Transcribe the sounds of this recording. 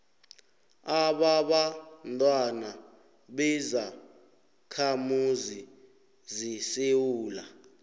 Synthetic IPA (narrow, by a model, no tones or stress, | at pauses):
aɓaɓantʼwana | ɓɛza | kʰamuzi | zisewuːla